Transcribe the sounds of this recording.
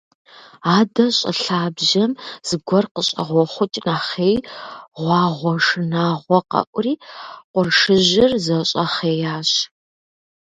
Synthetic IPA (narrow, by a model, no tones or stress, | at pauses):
aːdɐɕʼɐ̰ɬaːbʒɐmz̥ɨɡʷɔrqəɕʼɐ̰ʁʷɔχʷʊt͡ʃʼnaːχeːjʁʷɑːʁʷɔʂɨnaːʁʷɔqɐ̰ʔʷriːqʷʊrʂɨʑɪrzɐɕʼɐχeːjaːɕ